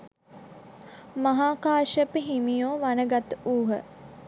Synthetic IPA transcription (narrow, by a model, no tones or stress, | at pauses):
maɦaːkaːʃəpəɦimijoːʋanəɡat̪uːɦə̰